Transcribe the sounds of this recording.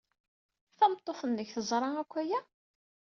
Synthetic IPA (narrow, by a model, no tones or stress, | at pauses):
θæmt̪ˤːoθənːəçθəzˤɾˤɑækʷːæjæ